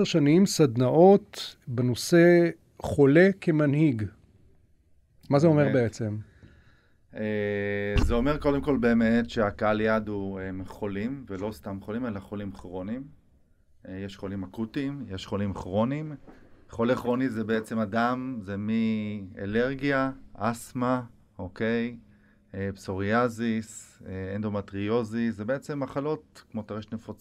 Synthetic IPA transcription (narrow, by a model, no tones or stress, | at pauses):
ʁʃanimsad̪naʔo̞t̪beno̞se̞ | χo̞le̞kʰemanhiɡ | mazeo̞meʁbeet͡se̞m | ezeo̞meʁko̞d̪emko̞lbe̞ːmetʃeakaaljad̪uemχo̞limvelo̞st̪amχolime̞laχo̞limaχʁo̞nim | jeʃχo̞limakutimjeʃχo̞limaχʁo̞nimχolaχʁo̞nizebeet͡se̞mad̪amzemiḛleʁɡiaasma | okej | psoʁiaziseend̪o̞mat̪ʁio̞zizebeet͡semːaχalo̞t̚kmot̪aʁeʃtnefot͡sa